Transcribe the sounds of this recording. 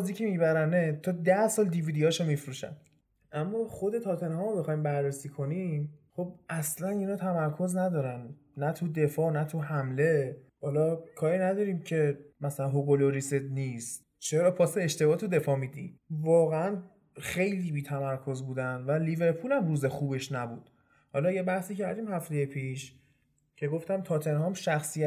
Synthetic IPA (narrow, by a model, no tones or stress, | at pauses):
ziːcʲʰemibæɾænet̪ʰɔːd̪æhsɒːld̪iviːd̪ijɒːʃomifɾuːʃæ̰n | ʔæmːɒːχo̞d̪e̞t̪ʰɒːt̪ʰenhɒːmobexɒjmbærːesiːkʰo̞nimχo̞b̚ʔæslæninɒːt̪ʰæmæɾkʰo̞znæd̪ɒːɾænː | æt̪ʰud̪e̞fɒːnæt̪ʰuɦæmle̞ | hɒlɒkʰɒːɾinæd̪ɒːɾiːmcʰe̞mæsælænɦoɡoloɾiset̪nist̪ | t͡ʃʰeɾɒːpʰɒːseeʃt̪e̞bɒːt̪ʰud̪e̞fɒːmid̪ḭmvɒːɣeæn | xe̞jliːbiːt̪ʰæmæɾkʰo̞zbuːd̪ænvælive̞ɾpʰulæmɾuːzexuːbe̞ʃnæbṵːd̪̥ | hɒlɒjebæhsiːcʰæɾd̪iːmhæft̪ejepʰiːʃ | cʰe̞ɡo̞ft̪æmt̪ʰɒːt̪ʰe̞nhɒmʃæxsi